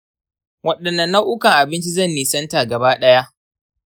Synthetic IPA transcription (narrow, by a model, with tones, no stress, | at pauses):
wɐ˦ɗɐ˨nːɐ˨nːa˦ʔʊ˦kɐ˨ŋʔa˨bɪ˦nt͡ʃi˦zɐ˦˨nːi˨sɐ˦nta˨ɡɐ˨baː˦ɗɐ˦ja˦ʔ